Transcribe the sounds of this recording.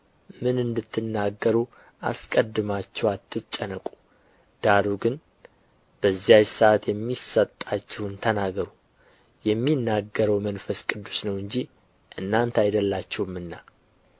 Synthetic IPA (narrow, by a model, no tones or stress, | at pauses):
mɨnɨnd̪ɨt̪ʰːɨnːaɡːəɾu | ʔa̰skʼəd̪ːɨmat͡ʃːɛwat̪ʰːɨt͡ʃʼːənəkʼu̥ | d̪̥aɾuɡɨn | b̥əzːjajsat̪jɛmːisət̪ʼːat͡ʃːɛhwnt̪ʰənaɡəɾu | jɛmːinːaɡəɾəwmənfəskʼɨd̪ːusnəwɨɲd͡ʒi | ʔɨnːant̪ajd̪əlːat͡ʃːɛwmɨnːa